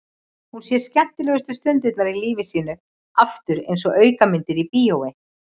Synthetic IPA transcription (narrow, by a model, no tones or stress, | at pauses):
hunsjɛɾ̥scɛm̥t̪ɪlɛːɣʏst̪ʏst̪ʏnt̪ɪt̪naɾiliːvɪsiːnʏ | aft̪ʏɾḛjnsɔʔœːɥkamɪnt̪ɪɾipiːoːwɪ